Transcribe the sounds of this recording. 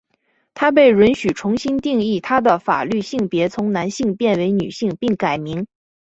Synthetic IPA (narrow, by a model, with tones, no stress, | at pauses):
t̪ʰa˥p̬e˥˩ɪɻə˧˥nɕy˨˩ʈ͡ʂʰʊ˧˥ŋɕi˥nt̪i˥˧ŋi˥˩t̪ʰa˥d̪ə˨fa̰˨˩ly˥˧ɕi˥˩ŋpjɛ˧˥t͡sʰʊ˧˥ŋna˧˥nɕi˥˧ŋpjɛ˥˩nwe˧˥ɪny˨˩ɕi˥˧ŋpi˥˩ŋka˨˩ɪmi˧˥ŋ